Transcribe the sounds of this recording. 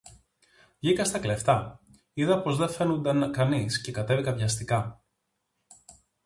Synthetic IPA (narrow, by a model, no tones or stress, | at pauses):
vʝikɐst̪ɐkle̞ft̪ɐ | iðɐpo̞zðe̞fe̞nund̪ɐŋkɐnisce̞kɐt̪e̞vikɐvʝɐst̪ikɐ